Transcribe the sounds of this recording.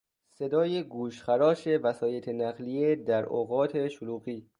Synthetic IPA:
se̞d̪ɒːjeɡuːʃxæɾɒːʃe̞væsɒːje̞t̪ʰenæɣlijed̪æɾo̰ɣɒːt̪ʰe̞ʃoluːɣiː

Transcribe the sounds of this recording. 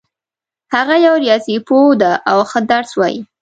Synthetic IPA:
haɣajawɾijɑsipod̪aʔawxəd̪aɾswɑjḭ

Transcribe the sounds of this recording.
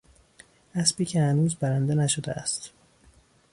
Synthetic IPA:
ʔæsbiːcʰehænuːzbæɾænd̪enæʃod̪ḛʔæ̰st̪

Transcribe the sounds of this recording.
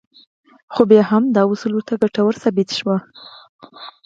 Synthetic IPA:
xobjɑhɦamd̪ɑwʊsəlot̪aɡaʈawəɾsabɪt̪ʃwa

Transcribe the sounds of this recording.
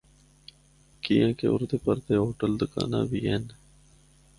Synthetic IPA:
kijãːkḛːʊ̰ɾd̪eːpəɾt̪eːɦoːʈəld̪ʊka̰ːnã̰ːbiːɦeːn

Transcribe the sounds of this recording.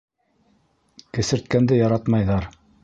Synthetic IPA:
kɘ̆sɘ̆ɾt̪̚kænd̪ɘjɑɾɑt̪mɑjðɑɾ

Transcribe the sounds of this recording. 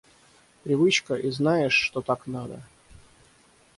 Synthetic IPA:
pɾʲɪvɨt͡ɕkəʔiznajɪʂːt̪ot̪aknad̪ə̰

